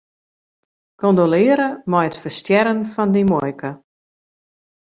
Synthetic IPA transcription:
kʰondolɪːəɾəmɔjətfərstjɛɾənfɔndimɔjkʰə

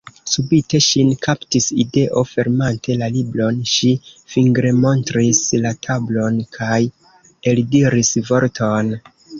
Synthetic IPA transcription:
subite̞ʃinkʰaptiside̞ʔo̞fe̞ɾmantʰe̞laliblo̞nʃifiŋɡɾe̞mo̞ntɾislatʰablo̞nkʰaj | e̞ldiɾisvo̞ɾtʰo̞n

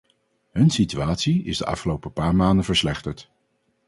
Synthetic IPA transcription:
ɦɵnsityaːtsiɪ̰zdəʔɑ̰fχəlowpəpaːɹmaːndəvəɹslɛχtəɹt

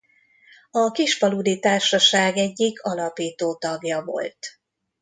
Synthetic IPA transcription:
ɒkiʃpɒlud̪it̪aːrʃɒʃaːɡɛɟːikʰɒlɒpiːt̪oːt̪ɒɡjɒvo̞̰lt̪

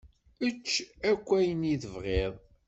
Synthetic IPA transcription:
ət͡ʃːækʷːæjəniðəvʁeðˤ

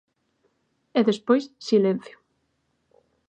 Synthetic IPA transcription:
ɛðespojssilen̟θjʊ̥

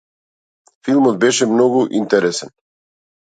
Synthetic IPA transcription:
filˠmɔd̪̚bɛʃɛmnɔɡuʔint̪ɛɾɛsɛn

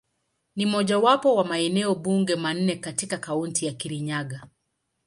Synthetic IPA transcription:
nimɔʄawapɔwamaɛnɛɔɓuŋɡɛman̩ːɛkatikakauntijakiɾiɲaɡa

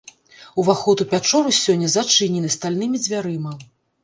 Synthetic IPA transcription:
uvaxɔt̪upʲat͡ʂɔɾusʲɔnʲːɐzat͡ʂɨnʲinɐst̪alʲnɨmʲid͡zʲvʲaɾɨmɐ

